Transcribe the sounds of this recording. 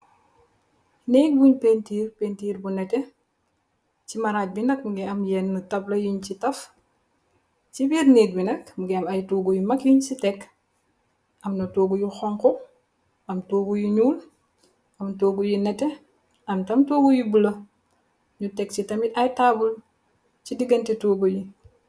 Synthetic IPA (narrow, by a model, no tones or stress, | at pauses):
nɛk̚buɲpentiːɾpentiːɾbunɛtɛ | t͡ʃimɐɾaːc̚binɐk̚ɡɛɐmjɛnːutɐblɐjuɲt͡ʃitɐf | t͡ʃibiɾnet̚binɐkmuɡɛɐmɐjtuɡujumɐkjuɲsitɛk | ɐmnɐtoːɡujuxɔŋkɔ | ɐmtoːɡujuɲuːl | ɐmtoːɡujinɛte | ɐmtɐmtoɡujubulɐ | ɲutɛk̚t͡ʃitɐmitajtabul | cidiɡɐntetuːɡoji